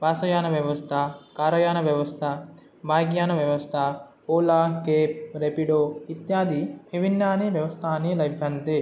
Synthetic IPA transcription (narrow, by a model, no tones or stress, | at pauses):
baːsɐjaːnɐʋjɐʋɐst̪ʰɐkaːɾɐjaːnɐʋjɐʋɐst̪ʰɐ | bʱaːɡjaːnɐʋjɐʋɐst̪ʰɐpoːlaːkeːp̚ɾepiɖoit̪jaːd̪ibʱibinjaːniʋjɐʋɐst̪ʰaːnilɐjbʱjɐnt̪e